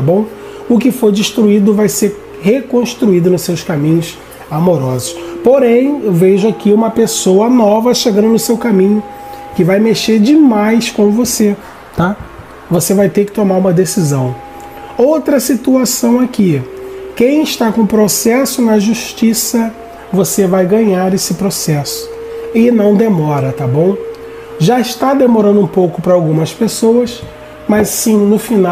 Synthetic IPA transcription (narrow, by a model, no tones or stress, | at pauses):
bõw̃ | ʊkɪfojd͡ʒɪʃt̪ɾuid̪ʊvajseɾ | hekõʃt̪ɾuid̪ʊnʊsewskamĩɲʊs | amoɾɔzʊʃpoɾẽj̃veʒʊakiũmɐpesowɐnɔvɐʃeɡɐ̃nd̪ʊnʊsewkamĩɲʊ | kɪvajmeʃeɾd͡ʒɪmajskõmʊvose | t̪a | vosevajt̪ekɪ̥t̪omaɾũmɐd̪esizɐ̃w̃ | owt̪ɾɐsit̪uasɐ̃w̃akikẽj̃ɪʃt̪akõʊpɾosɛsʊnɐʒuʃt͡ʃisɐ | vosevajɡɐ̃ɲaɾesɪpɾosɛsʊ̥ɪnɐ̃w̃d̪emɔɾɐt̪abõw̃ | ʒaɪʃt̪ad̪emoɾɐ̃nd̪ʊũpowkʊpɾɐawɡũmɐspesowɐs | mɐssĩnʊfina